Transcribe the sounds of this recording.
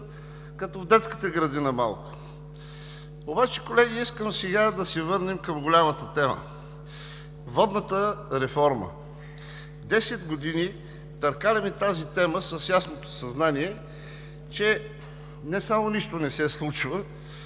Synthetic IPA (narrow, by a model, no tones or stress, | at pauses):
kɐt̪ɔvd̪ɛt̪skə̥t̪əɡɾɐd̪inəma̰lˠkʊ̥ | obat͡ʃɛ̥kolɛɡ̟iiskəmsɛɡad̪ɐsɛvɤɾnimkɐmɡolʲamət̪ət̪ɛmə̰ | vɔd̪nət̪əɾɛfɔɾmə̰ | d̪ɛsɛd̪ɡod̪ini | t̪ɐɾkalɛmit̪azit̪ɛməsəsjasnot̪o̥sɐznaniɛ | t͡ʃɛ | nɛsamoniʃt̪onɛsɛslˠut͡ʃvə